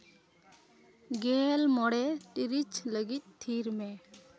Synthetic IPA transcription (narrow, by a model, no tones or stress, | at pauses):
ɡɛːlmɔɽɛʈiɾit͡ʃləɡit̪̚ˀt̪ʰiɾmɛ